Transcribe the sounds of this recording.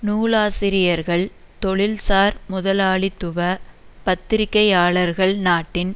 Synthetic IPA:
nuːɭaːsɪɾɪjɐɾɣɐɭ | t̪ɔɭɪlsaːɾmʊðɐlaːɭɪt̪ːʊʋɐpɐt̪ːɪɾɪkːɐjaːɭɐɾɣɐɭnaːʈːɪn

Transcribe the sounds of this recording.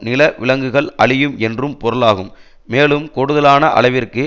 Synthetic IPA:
nɪlɐʋɪlɐŋɡɯɣɐɭʔɐɭɪjɯmɛndrɯmpɔɾɯlaːɣɯmː | eːlɯmkɔɽɯðɐlaːnɐʔɐ̰ɭɐɪʋɪrkɯ

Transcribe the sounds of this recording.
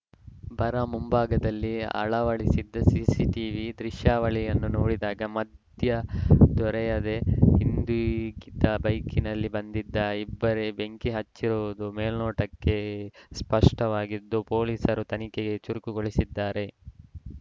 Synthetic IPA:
bʱɐɾɐmumbaːɡɐd̪ɐlːiɐ̰ɭɐʋɐɭisid̪ːɐsiːsiʈiːʋid̪ɾiʃjaːʋɐɭijɐnːunoːɽid̪aːɡɐmɐd̪jɐd̪ɔɾɛjɐd̪e̞hind̪ukid̪ːɐbɐjkinɐlːibɐnd̪id̪ːɐibːɐɾebe̞ŋkiɦɐt͡ʃːiɾuʋud̪umeːlnoːʈɐkːe̞spɐʂʈɐʋaːɡid̪ːupo̞ːliːsɐɾut̪ɐnikeɡe̞t͡ʃuɾukuɡoɭisid̪ːaːɾe̞

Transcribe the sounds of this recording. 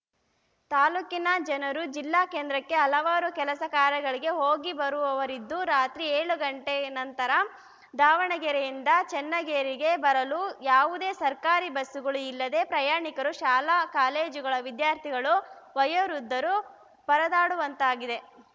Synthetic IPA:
t̪aːluːkinɐd͡ʒɐnɐɾud͡ʒilːaːkeːnd̪ɾɐkːe̞ɐlɐʋaːɾukɛlɐsɐkaːɾɐɡɐɭiɡe̞ɦo̞ːɡibɐɾuʋɐʋɐɾid̪ːuɾaːt̪ɾieːɭuɡɐɳʈenɐnt̪ɐɾɐ | d̪aːʋɐɳɐɡɛɾejind̪ɐt͡ʃɛnːɐɡeːɾiɡe̞bɐɾɐlujaːʋud̪e̞ːsɐɾkaːɾibɐsːuɡɐɭuilːɐd̪e̞ːpɾɐjaːɳikɐɾuʃaːlakaːleːd͡ʒuɡɐɭɐʋid̪jaːɾt̪ʰiɡɐɭuʋɐjɐɾud̪ːɐɾu | bɐɾɐd̪aːɽuʋɐnt̪aːɡid̪e̞

